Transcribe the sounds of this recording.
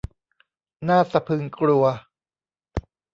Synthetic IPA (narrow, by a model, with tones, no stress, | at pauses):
naː˥˩sa˧pʰɯ˧ŋklu˧ɐ